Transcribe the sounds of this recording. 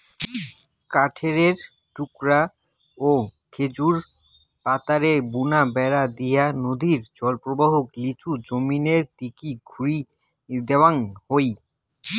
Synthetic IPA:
kaʈʰeɾeɾ | ʈukɾa | o | kʰed͡ʑuɾ | pat̪aɾebunabɛɾad̪ijanod̪ʱiɾd͡ʑɔlpɾobaɦoklit͡ɕud͡ʑomineɾt̪ikiɡʱuɾi | d̪ewaŋhoj

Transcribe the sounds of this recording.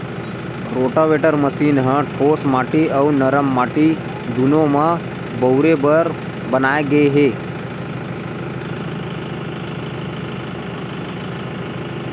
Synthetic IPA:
ɾoʈəʋeʈəɾməsiːnɦəʈʰosmaʈiəwnəɾəmːaʈi | d̪unoma | bəwɾebəɾ | bənajɡeɦe

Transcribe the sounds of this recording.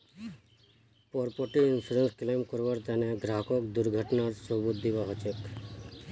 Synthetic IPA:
pɔɾpoʈiɪnpʰuɾensklemkɔɾbaɾt̪aneɡɾaɦkɔkd̪uɾɡʱəʈnaɾsɔbut̪̚d̪ibaɦɔt͡ʃek

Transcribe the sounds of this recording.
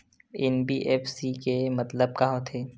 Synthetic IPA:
ɪnbiʔeːfsikemɐt̪ləb̚kɐɦot̪ʰeː

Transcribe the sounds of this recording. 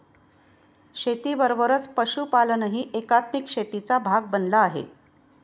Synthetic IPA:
ɕet̪iːʋəɾʋəɾət͡spəɕuːpalənəɦiːʔekat̪mikɕet̪it͡sabʱaɡ̚bənlaːɦḛ

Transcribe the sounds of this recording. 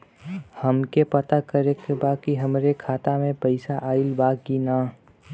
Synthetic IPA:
həmkepət̪akəɾekebaːkiɦɐmɾekʰaːt̪amẽpəɪsaʔaːilbaːɡinaː

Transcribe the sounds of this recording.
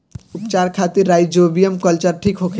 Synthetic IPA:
upt͡ʃaɾkʰat̪iɾːajd͡ʒobijəmkəlt͡ʃəɾʈʰikɦokʰe

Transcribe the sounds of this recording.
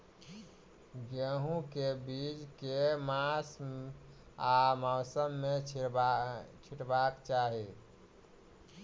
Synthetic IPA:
ɡəɦũkebid͡ʒkemas | amaʊsəmːe | t͡ʃʰiʈbakt͡ʃaɦi

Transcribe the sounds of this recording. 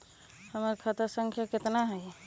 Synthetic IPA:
həmaɾkʰat̪asə̃ŋkʰjakɪt̪naɦɛj

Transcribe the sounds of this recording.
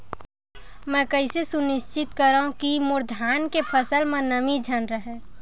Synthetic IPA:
mɛ̃ːkəɪsesunɪst͡ʃɪt̪kəɾaũkimʊɾd̪ʱaːnkepʰəsəlmẽnəmid͡ʒʱənɾəɦɛ

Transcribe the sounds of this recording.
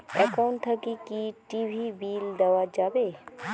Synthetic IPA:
ɛkaʊɳʈt̪ʰakikiʈiʋʱibiːld̪ɐʋad͡ʒaːbe

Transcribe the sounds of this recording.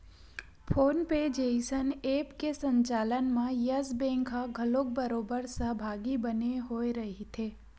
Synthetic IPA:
pʰoːnped͡ʒeɪsəneːpkesə̃ɲt͡ʃaːlənmãjəzbẽːŋkʰaɡʱəlok̚bəɾoːbəɾsəɦbʱaːɡibəneɦoːeɾɐɦit̪ʰeː

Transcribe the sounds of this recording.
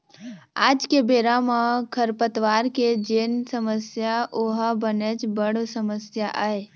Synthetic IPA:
aːd͡ʒkebeɾaməkʰəɾpət̪ʋaːɾked͡ʒensəməsjaʔoɦəbənet͡ʃbəɽsəməsjaʔəe

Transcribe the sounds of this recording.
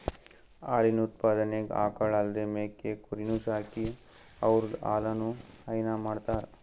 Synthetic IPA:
aːlinut̪̚paːd̪ɐneɡa̰ːkɐɭɐld̪emeːkːekuɾinuːʃaːki | ɐʋɾud̪aːlɐnuhɐjnamaːɽt̪aːɾ

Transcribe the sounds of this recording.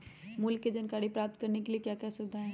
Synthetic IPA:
muːlkːed͡ʒənkaɽipɾap̚t̪̚kəɾnekeliekjakjasubd̪ʱaɦɛ̃

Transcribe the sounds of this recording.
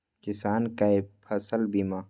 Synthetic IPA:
kɪsaːnkaepʰɐsəlbima

